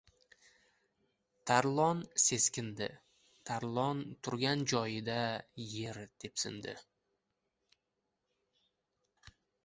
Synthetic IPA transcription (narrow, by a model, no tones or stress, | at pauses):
t̪ʰaɾlˠɒnse̞skʲɪnd̪ɪ̰ | t̪ʰaɾlˠɒnt̪ʰʊɾɡʲand͡ʒɒjɪd̪aje̞ɾd̪̥e̞psɪ̰nd̪ɪ̰